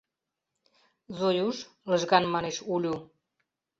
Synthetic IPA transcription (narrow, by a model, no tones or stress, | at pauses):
zojuʃləʒɣɑnmɑneʃulʲu